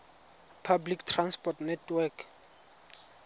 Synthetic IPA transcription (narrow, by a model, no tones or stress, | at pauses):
pʰabliktʰranspɔtnɛtʰwɛkʰ